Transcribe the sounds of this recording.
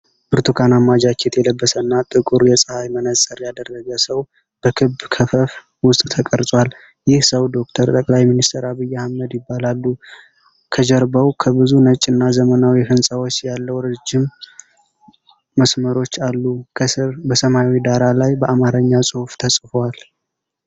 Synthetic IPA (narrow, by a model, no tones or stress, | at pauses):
bɨɾt̪ʰukʰanamːad͡ʒakʰet̪jɛləbːəsənːat̪ʼɨkʼuɾjɛsʼɨhajmənəsʼəɾjad̪ərːəɡəsəw | b̥əkʰɨbkʰəfəf | wʊst̪ʼt̪ʰəkʼəɾt̪ʼwal | jɪhsəwd̪o̞kt̪ʰəɾt̪ʼəkʼlajminist̪ʰəɾaβɨjːahməd̪jɪbːalalːu | kʰəd͡ʒəɾbəwkʰəβɨzunət͡ʃʼːɨnːazəmənawjɛfɨnsʼəwot͡ʃːjalːəwɾɨd͡ʒːɪm | əsməɾo̞t͡ʃːalːukʰəsɨɾbəsəmawid̪aɾalajbəʔamaɾəɲːasʼɨhuft̪ʰəsʼfwal